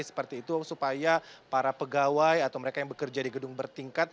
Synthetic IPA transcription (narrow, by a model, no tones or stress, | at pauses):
isə̥pərt̪iːt̪usupajapaɾapəɡawajat̪awməɾekajaŋbəkərd͡ʒadiɡədʊŋbərt̪iŋkat̪̚